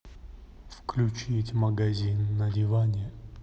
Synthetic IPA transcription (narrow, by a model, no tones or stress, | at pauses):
fklʲʊt͡ɕitʲməɡazʲinːɐdʲɪvanʲɪə